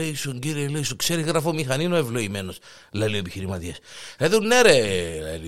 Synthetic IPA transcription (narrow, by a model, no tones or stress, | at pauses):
eisoɲɟiɾieleisokseɾiɣɾɐfomixɐninoevloimenos | lɐlioepiçiɾimɐt̪iɐseðunːeɾelḛli